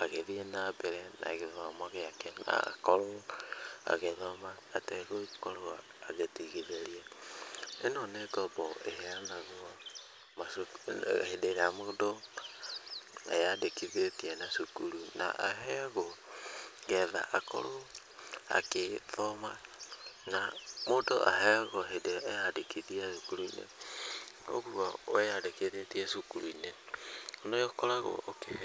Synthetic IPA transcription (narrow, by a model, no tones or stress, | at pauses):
aɣeðienabeɾɛna̰ɣeðɔmaɣeakena̰kɔɾo | a̰ɣeðɔmaːtɛɣoikoɾoa | aɣetiɣiðeɾie | enɔneːɡɔbɔʔeɦeanaɣo | masoahedeɾamodo | ḛjadekiðetienasukuɾuna̰ʔaɦɛɣo | ɡɛða̰ʔako̰ɾo | a̰keðomanamodo̰ʔa̰ɦɛɣoɦedeejadekʰiðiasukuɾuinḛ | o̰ɣuawɛjadekeðetiesukuɾuineonojokoɾaɣo̰okeh